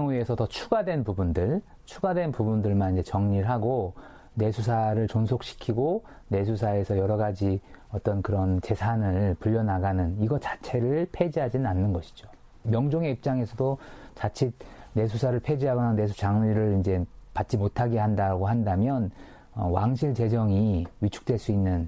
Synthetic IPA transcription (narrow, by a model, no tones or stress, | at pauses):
ŋie̞sʰʌtʌt͡ɕʰuɡadwe̞npubundɯɭ | t͡ɕʰuɡadwe̞npubundɯɭmanind͡ʑet͡ɕʌŋɲiɾɦaɡo | ne̞sʰus̬ʰaɾɯɭt͡ɕonsʰok̚ɕʰi̥kʰiɡo | ne̞sʰusʰae̞sʰʌjʌɾʌɡad͡ʑiʌt͈ʌnkɯɾʌnt͡ɕe̞sʰanɯɭpuʎːʌnaɡanɯniɡʌt͡ɕḁt͡ɕʰe̞ɾɯɭpʰe̞d͡ʑiɦad͡ʑinɯnanːɯnɡʌɕʰi̥d͡ʑo | mjʌŋd͡ʑoŋe̞ip̚t͡ɕ͈aŋe̞sʰʌdot͡ɕat͡ɕʰit̚ne̞s̬ʰusʰaɾɯɭpʰe̞d͡ʑiɦaɡʌnanes̬ʰut͡ɕaŋiɾɯɭind͡ʑe̞pat̚t͡ɕ͈imotʰaɡeɦandaɡoɦandamjʌn | ʌwaŋɕ̬ʰiɭt͡ɕe̞d͡ʑʌŋiɥit͡ɕʰu̥k̚t͈we̞ɭs͈uinːɯn